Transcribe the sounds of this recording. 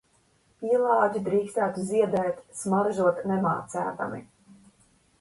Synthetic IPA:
iɛlˠɑːɟid̪ɾiːkst̪æːt̪uziɛd̪ɛːt̪smaɾʒuɔt̪nɛmaːt̪sæ̰ːt̪a̰mḭ

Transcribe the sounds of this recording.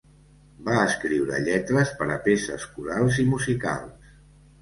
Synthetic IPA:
baəskɾiwɾə̰ʎɛt̪ɾəspəɾəpesə̰skuɾalˠzimuzika̰lˠs

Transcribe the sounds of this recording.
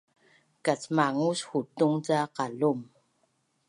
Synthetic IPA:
kat͡smaŋushutuŋtaqalum

